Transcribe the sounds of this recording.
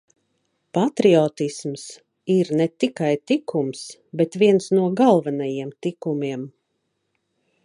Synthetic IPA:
pat̪ɾiɔt̪isms | iɾnɛt̪ikajt̪ikumsbɛt̪viɛnsnuɔɡalˠvanajiɛmt̪ikumiɛm

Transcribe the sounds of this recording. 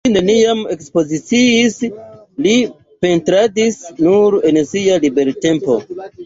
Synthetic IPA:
ine̞niame̞kspo̞zit͡siːs | li | pe̞ntɾadisnuɾe̞nsialibe̞ɾte̞mpo̞

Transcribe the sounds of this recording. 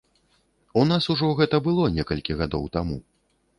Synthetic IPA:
unasuʐɔɣɛt̪ɐbɨlˠɔnʲɛkɐlʲkʲiɣad̪ɔwt̪amu

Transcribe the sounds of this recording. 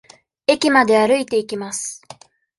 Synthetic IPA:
e̞kʲimad̪e̞aɾɯ̟it̪e̞ikʲimasɨ̥

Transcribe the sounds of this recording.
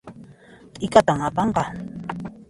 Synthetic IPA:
t̪ʼɪkat̪aŋapɑɴqɑ

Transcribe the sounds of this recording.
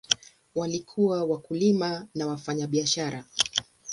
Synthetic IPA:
walikʰuwawakulimanawafaɲaɓiaʃaɾa

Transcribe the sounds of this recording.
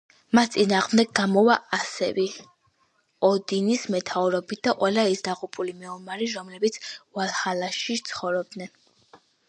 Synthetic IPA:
mast̪sʼinaːʁmd̪ɛɡɡamɔvaʔasɛ̰vɛ | ɔd̪inismɛt̪ʰauɾɔbit̪̚d̪aqʼwɛlaisd̪aʁupʼulimɛɔmaɾiɾɔmlɛbit̪sʰvalˠhalaʃit̪sʰχɔvɾɔb̚d̪nɛn

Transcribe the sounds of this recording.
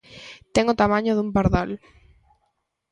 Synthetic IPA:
t̪ɛŋʊt̪amãɲoðumpaɾðal

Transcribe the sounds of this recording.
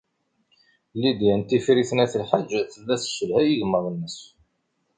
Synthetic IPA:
lːid̪jænt̪ifɾiθnæθlħad͡ʒθəlːæθʃːəlhæjəʝəmːəðˤənːəs

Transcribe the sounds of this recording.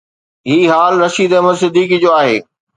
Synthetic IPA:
ɦiːɦaːlɾɐʃiːd̪əməsɪd̪ʱiːkid͡ʑoːaːɦeː

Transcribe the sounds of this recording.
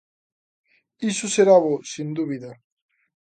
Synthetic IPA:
isuseɾaβosind̪uβiða

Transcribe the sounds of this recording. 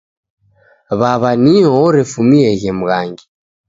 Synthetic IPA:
βaβaniɔɔɾɛfumiɛɣɛmuɣaŋɡi

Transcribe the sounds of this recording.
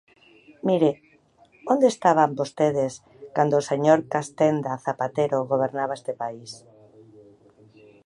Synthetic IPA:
miɾe | õnd̪est̪aβambost̪eð̞es | kand̪oːseɲoɾkast̪end̪aθapat̪eɾoɣoβ̞eɾnaβ̞aest̪epais

